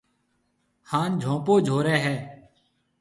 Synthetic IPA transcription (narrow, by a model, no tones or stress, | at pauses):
haːnd͡ʒʱõːpoːd͡ʒʱoːɾɛːɦɛː